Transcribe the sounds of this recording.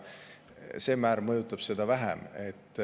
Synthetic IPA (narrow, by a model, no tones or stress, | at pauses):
se̞ːmæːɾmɤjut̪ːˑɑb̥se̞d̪ɑvæɦæ̰me̞t̪ːˑ